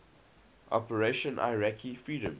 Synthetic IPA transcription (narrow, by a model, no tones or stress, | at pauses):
ʔɔ̰pəɹeʃə̃nʔa̰ɪɹækʰifɹiːɾə̃m